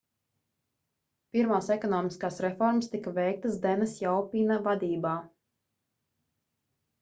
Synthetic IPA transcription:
piɾmaːsɛkɔnɔːmiskaːsɾɛfɔɾmst̪ikavɛjk̚t̪ɨsd̪ɛnɛsjawpʲiːnavad̪iːbaː

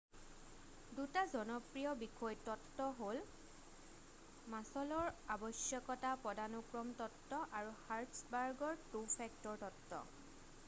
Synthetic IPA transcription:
dutazɔnɔpɹijɔbikʰɔjtɔtːɔɦol | masɔlɔɹabɔsjɔkɔtapɔdanukɹɔmtɔtːɔʔaɹuhaɹtsbaɹɡɔɹtupʰɛk̚tɔɹtɔtːɔ̰

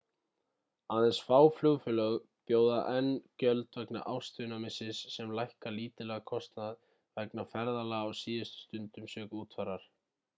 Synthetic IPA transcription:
aðɛnsfaːwflʏɣfʏlœɣ | pjoːwða̰ʔɛnːcœlt̪vɛkna̰ʔawst̪ʏnamɪsɪsːɛmlajhkaliːt̪ɪlɛɣakʰɔst̪nað | vɛknafɛɾðalaawsiːɪst̪st̪ʏnt̪ʏmsœːkuːt̪faɾːaɾ̥

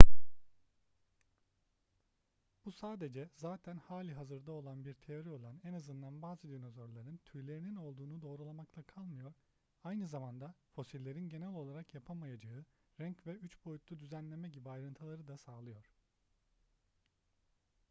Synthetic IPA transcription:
b̥usaːd̪e̞d͡ʒɛzaːt̪ʰænhaːlʲiɦazɯɾd̪ao̞lˠanbiɾt̪ʰe̞jo̞ɾio̞lˠanɛnazɯnd̪anbaːzɯd̪ino̞zo̞ɾlˠaɾɯnt̪ʰyjlʲe̞ɾinino̞lˠd̪uːnud̪o̞ːɾulˠamaklˠakʰalˠmɯjo̞ɾ̥ | ajnɯzamand̪afo̞silʲːe̞ɾinɟe̞nɛlʲo̞lˠaɾakjapʰamajad͡ʒaɯɾɛɲcvɛyt͡ʃbo̞jut̪lˠud̪yzænlʲe̞mɛɟibiajɾɯnt̪ʰɯlˠaɾɯd̪asaːlˠɯjo̞ɾ̥

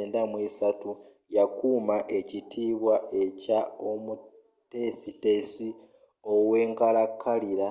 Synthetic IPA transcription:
ndamwiːsatu | jakuːmaʔe̞citʰiːβwaʔe̞cao̞mu | te̞site̞si | o̞we̞ːŋkalakʰːaliɾa

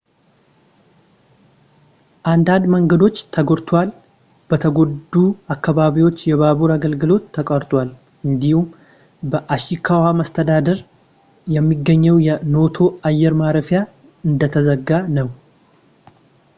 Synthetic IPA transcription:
ʔand̪and̪məŋɡəd̪o̞t͡ʃːt̪ʰəɡoɾt̪ʰwal | b̥ət̪ʰəɡo̞d̪uakːaβaβiwo̞t͡ʃːjɛβaβuɾaɡəlɡɨlo̞t̪ːəkʼəɾt̪ʼwal | ɨnd̪ihum | bəʔaʃikʰawamast̪ʰəd̪ad̪əɾ | jɛmːiɡːəɲːəwjɛno̞t̪ʰo̞ajːɛɾmaɾəfja | ɨnd̪ət̪ʰəzəɡːanəw

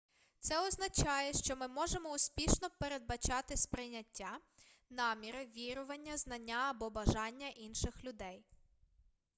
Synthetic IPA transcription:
t̪sɛɔznɐt͡ʃɑjɛʃt͡ʃɔmɪmɔʒemɔuspʲiʃnɔpeɾe̞d̪̚bɐt͡ʃɑt̪ɪspɾɪjnʲɐtʲːanɑmʲiɾɪʋʲiɾʊʋɐnʲːɐznɐnʲːaɐbɔbɐʒɑnʲːɐʔinʃɪxlʲʊd̪ɛj

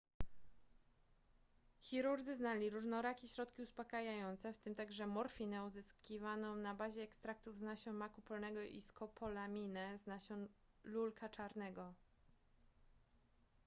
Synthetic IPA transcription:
xʲiɾuɾd̪zɘznalʲiɾuʐnɔɾakʲiɕɾɔt̪kʲiuspakajajɔnt̪sɛft̪ɘmt̪aɡʐɛmɔɾfʲinɛuzɘskʲivanɔ̃nabaʑɛːkst̪ɾak̚t̪uvznaɕɔ̃makupɔlnɛɡɔʔḭskɔpʰɔlamʲinɛznaɕɔ̃ | lulkʰat͡ʂaɾnɛɡɔ

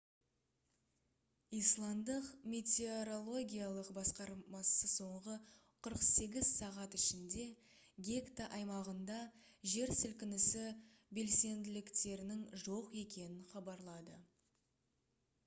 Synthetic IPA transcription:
ijslˠɑmd̪əqmʲe̞t̪ʲeoɾo̞lˠo̞ɡʲijalˠəqbɑsqɑɾmɑsəso̞ɴʁə | qʰəɾəqse̞ɡʲɪzsɑʁɑt̪ɪʃɪnd̪e̞ | ɡʲe̞kt̪aʔɑjmɑʁənd̪ɑ | ʒe̞ɾsɪlkʲɪnɪsɪ | be̞lse̞nd̪ɪlɪkt̪e̞ɾɪnɪŋʒo̞qe̞kʲe̞nɪnχɑbɑɾlˠɑd̪ə

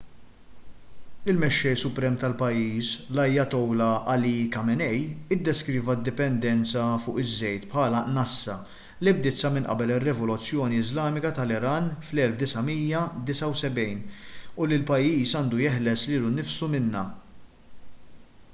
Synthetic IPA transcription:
ɪlmɛʃːɛjsʊpɾɛːmt̪ɐlpɐjiːslɐjːɐt̪ɔwlɐɐlikɐmɛnɛjɪd̪ːɛskɾiːvɐd̪ːɪpɛnd̪ɛnt͡sɐfʊːʔɪzːɛjt̪pħɐːlɐnɐsːɐ | lɪb̚d̪ɪt͡sːɐmɪnʔɐ̰bɛlɪrːɛvɔlʊt͡sːjɔːniɪzlɐːmɪkɐt̪ɐlɪɾɐːnflɛlfd̪ɪsɐmiːjːɐd̪ɪsɐwsɛbɛjnʊlɪlpɐjːiːsɐːnd̪ujɛħlɛsliːlunɪfsumɪnːɐ

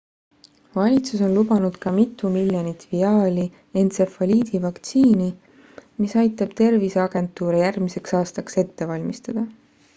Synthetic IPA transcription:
vɑlʲit̪suso̞nlubɑnud̪̥kɑmit̪ːˑumilʲjonit̪ːˑviɑːlʲi | ent̪sefɑlʲiːd̪̥ivɑkt̪siːni | misɑjt̪ːˑɑb̥t̪e̞rviseɑɡ̥e̞nt̪ːˑuːɾejærmise̞ksɑːst̪ɑkse̞t̪ːe̞vɑlʲmist̪ɑd̪̥ɑ

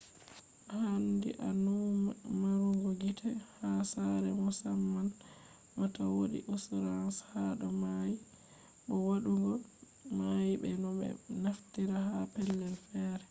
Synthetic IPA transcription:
handḭʔanumaɾuŋɡɔɡitʰɛhasaɾɛmɔsamːan | matawoɗḭʔusɾanshaɗɔmaji | ɓɔwaɗuŋɡɔ | majiɓɛ̰nɔɓɛ̰naftiɾahapɛlːɛlfɛːɾɛ

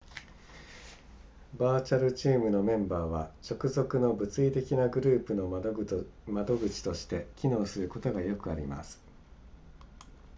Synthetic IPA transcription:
baːt͡ɕaɾɯ̟t͡ɕiːmɯ̟nomẽ̞mbaːβ̞at͡ɕo̞kɯ̟zo̞kɯ̟no̞bɯ̟t͡sɨit̪e̞kʲinaɡɯ̟ɾɯ̟ːpɯ̟no̞ | mad̪o̞ɡɯ̟t͡ɕi̥t̪o̞ɕi̥t̪e̞kʲino̞ːsɨɾɯ̟ko̞t̪o̞ɡajo̞kɯ̟aɾʲima̰sɨ̥

